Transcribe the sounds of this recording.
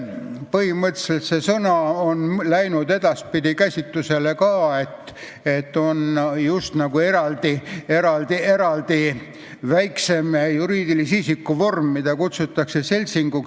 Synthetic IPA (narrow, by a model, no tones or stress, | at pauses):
pɤɦimɤt̪ːˑse̞lt̪se̞sɤnɑonlæjnud̪e̞d̪̥ɑspid̪̥ʲikæsʲit̪ˑːuse̞le̞kɑːe̞t̪ː | e̞t̪ːo̞njust̪nɑɡ̥ue̞ɾɑld̪ieɾɑld̪ie̞ɾɑld̪̥i | væjkse̞mejuɾiːd̪̥ilisiːsikːuvo̞rmːid̪̥ɑkut̪sut̪ːˑɑkse̞se̞lʲsiŋɡu